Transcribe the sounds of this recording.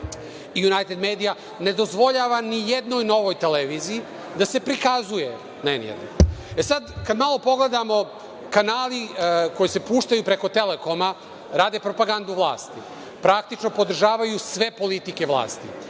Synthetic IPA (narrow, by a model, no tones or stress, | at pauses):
ijunajt̪e̞d̪meːd̪ija | ne̞d̪o̞zʋo̞ʎaʋanijed̪no̞jno̞ʋo̞jt̪eleʋiziː | d̪ase̞pɾikazuje | nenjḛd̪noesad̪kad̪malˠo̞po̞ɡle̞d̪amo̞ | kanaːliko̞jise̞puːʃt̪ajupɾeko̞t̪e̞leko̞ma | ɾaːd̪e̞pɾo̞paɡand̪uʋlˠa̰ːst̪i | pɾak̚t̪it͡ʃno̞po̞d̪r̩ʒaːʋajusʋe̞po̞lit̪ike̞ʋlˠa̰ːst̪ḭ